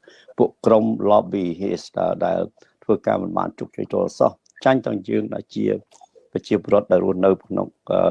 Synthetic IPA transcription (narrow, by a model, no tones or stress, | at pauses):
puəʔkromlɑːɓiːɦeːsɗa̰ːɗaɛl | t̪ʰʋəːkaːmɨnɓa̰ːnt͡ɕuk̚t͡ɕṵːjt̪uəlsɑh | t͡ɕaɲt̪aəŋjəːŋɗaɛlt͡ɕiə | pɑt͡ɕiəpoːrŏət̪̚ɗaɛlruəhnɨwkʰno̰ŋə